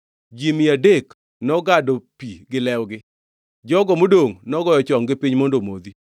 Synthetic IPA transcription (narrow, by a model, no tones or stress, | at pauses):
d͡ʒimiadek | nɔɡadopiɡɪlɛwɡɪ | d͡ʒɔɡɔmodoŋnɔɡɔjɔt͡ʃɔŋɡɪpɪɲmondomod̪i